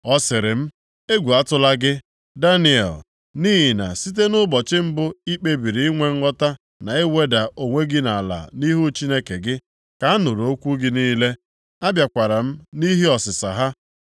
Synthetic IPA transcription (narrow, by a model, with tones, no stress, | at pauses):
ɔ˦sɪ˨ɾɪ˨m̩˦ | e˦ɡʷu˨a˦tʊ˦la˦ɡɪ˦ | da˦ni˨ɛ̰˨l | niː˦ɦi˨na̰˨si˦t̬e˦nʊ˦bɔ˨t͡ʃɪ˦m̩˦bʊ˦i˦k͡pe˦bi˨ɾi˨i˦ŋʷe˦ŋ̩˦ŋɔ˦ta˦ | na˨ɪ˦we˦da˨ʔo˨ŋʷe˦ɡɪ˦na˨a˨la̰˨ni˦ɦu˦t͡ʃi˦ne˦ke˨ɡɪ˦ | ka˨˦nʊ˨ɾo˨˦kʷu˦ɡɪ˦niː˦le˦ | a˦bja˨kʷa˨ɾa˨m̩˦ni˦ɦi˦ɔ˨sɪ˨sa̰˨ɦa˦